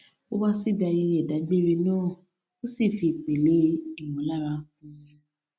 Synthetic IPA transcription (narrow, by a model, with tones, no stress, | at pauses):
o˦wa˦si˦˨ɡa˧je˧jɛ˦˨da˨˦ɡ͡be˦˨ɾe˧nãː˦˨ | o˦si˦˨fi˨k͡pe˨le˨˦i˦˨mɔ̃˨˦la˦˨ɾa˧˦fũ˦ɲã˧